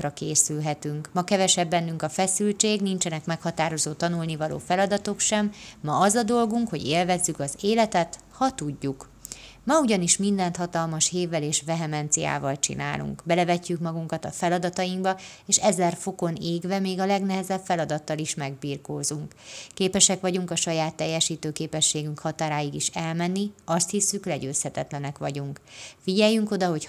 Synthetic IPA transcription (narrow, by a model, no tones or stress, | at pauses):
rɒkeːsylɦɛt̪yŋkmɒkɛvɛʃɛbːɛnːyŋkɒfɛsylt͡ʃeːɡnint͡ʃɛnɛkmɛkhɒt̪aːɾo̞zoːt̪ɒnulnivɒlo̰ːfɛlɒd̪ɒt̪o̞kʃɛmːɒɒzɒd̪o̞lɡuŋkho̞ɟeːlvɛzːykɒzeːlɛt̪ɛt̪ | hɒt̪uɟːuk | mɒuɟɒniʃmind̪ɛnt̪hɒt̪ɒlmɒʃheːvːɛleːʃvɛɦɛmɛnt̪sija̰ːvɒlt͡ʃḭna̰ːlṵŋkbɛlɛvɛcːykmɒɡuŋkɒt̪ɒfɛlɒd̪ɒt̪ɒjiŋɡbɒ | eːʃɛzɛrfo̞ko̞neːɡvɛmeːɡɒlɛɡnɛɦɛzɛbfɛlɒd̪ɒt̪ːɒliʃmɛɡbiːrkoːzuŋkkeːpɛʃɛkʋɒɟuŋkɒʃɒjaːt̪ːɛjːɛʃiːt̪øːkeːpɛʃːeːɡyŋkhɒt̪aːɾaːjiɡiʃɛlmɛnːiɒst̪hisːyklɛɟøːshɛt̪ɛt̪lɛnɛkʋɒɟuŋkfiɟɛjːyŋko̞d̪ɒɦo̞c